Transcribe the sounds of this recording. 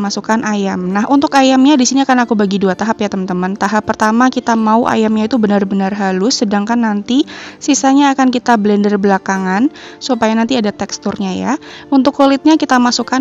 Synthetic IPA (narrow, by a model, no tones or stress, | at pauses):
masukanʔajamnahunt̪ʊkajamɲadisiniakanakubaɡiduat̪aɦapjat̪əmənt̪əmənt̪aɦapːərt̪amakit̪amauʔa̰jamɲait̪ubənarbənarɦalʊsːədaŋkanːant̪isisaɲaːkankit̪abəlɛndərbəlakaŋansupajanant̪iadat̪ɛkst̪ʊrɲaja̰unt̪ʊkːulɪt̪̚ɲakit̪amasuka